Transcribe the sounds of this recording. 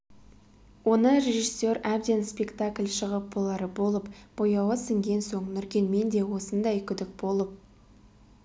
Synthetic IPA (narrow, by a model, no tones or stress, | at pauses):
wo̞nəɾʲe̞ʒisːeɾæb̚d̪e̞nspʲe̞kt̪akʲlʲʃəʁəp̚bolˠɑɾəbo̞lˠəpb̥o̞jɑwəsɪŋɡʲe̞nsoɴnʏɾkʲe̞nme̞nd̪e̞wo̞sənd̪ɑjkʲʰʏd̪ɪk̚bo̞lˠəp̚